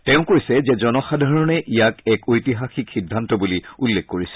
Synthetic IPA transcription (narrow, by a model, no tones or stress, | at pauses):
tɛʊ̃koɹisɛzɛzɔnɔxadʱaɹɔnɛʔijakɛkojtiɦaxikxidʱːantɔbuliulːekkoɹisɛ̥